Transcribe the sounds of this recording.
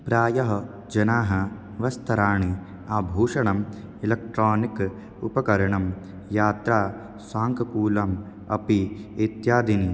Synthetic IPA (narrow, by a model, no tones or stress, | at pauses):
pɾaːjɐɦɐ | d͡ʒɐnaːɦɐ | ʋɐst̪ʰɐɾaːɳi | aːbʱuːʂɐɳɐmilɐk̚ʈɾaːnik | upɐkɐɾɐɳɐm | jaːt̪ɾaː | saːŋkɐkuːlɐm | ɐ̰piet̪jaːd̪ini